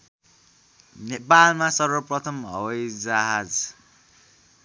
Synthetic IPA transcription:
nepalmasʌrwʌprʌt̪ʰʌmɦʌ̰wʌjd͡zaɦad͡z

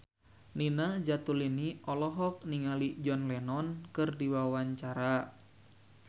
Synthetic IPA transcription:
ninad͡ʒat̪uliniɔlɔɦɔk̚niŋalid͡ʒɔnlɛnɔnkɨrdiwawaɲt͡ʃaɾa

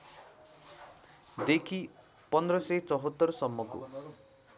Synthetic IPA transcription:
d̪ekʰi | pɔnd̪ɾɔset͡sɔɦɔt̪ːɔɾɔsɔmːɔkṵ

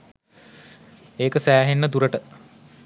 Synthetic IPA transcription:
eːkəsæːɦenːəd̪uɾəʈə

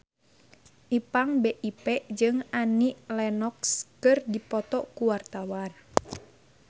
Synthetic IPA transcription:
ʔipaŋbeʔipɛʔd͡ʒɨŋaniʔlɛnɔkskɨrdipɔt̪ɔkuwart̪awan

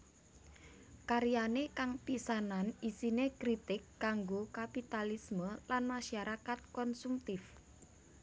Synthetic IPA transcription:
kaɾijanekaŋpisananisinekɾit̪ɪkːaŋɡokapit̪alisməlanmaʃaɾakat̪̚kɔnsumt̪ɪf

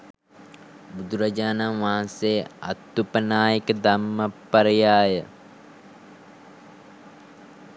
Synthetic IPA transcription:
bud̪uɾɐd͡ʒaːnamʋaɦãnseːɐ̰t̪ːupənaːjəkəd̪ɐmːɐpːɐɾɐjaːjə

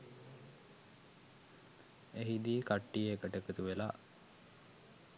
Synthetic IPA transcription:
eɦid̪iːkaʈːijəekəʈəkət̪uʋelaː

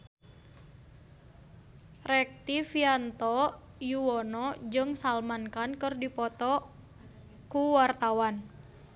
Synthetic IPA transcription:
rɛk̚t̪ifiant̪ɔ | juwɔnɔd͡ʒɨŋsalmankankɨrdipɔt̪ɔ | kuwart̪awan

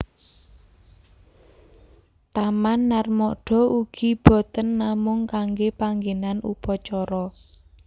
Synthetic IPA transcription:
t̪amanːarmɔɖ̥ɔ̤ʔuɡ̥i̤b̥ɔ̤t̪ənːamʊŋkaŋɡepaŋɡenanṵpɔt͡ʃɔɾɔ

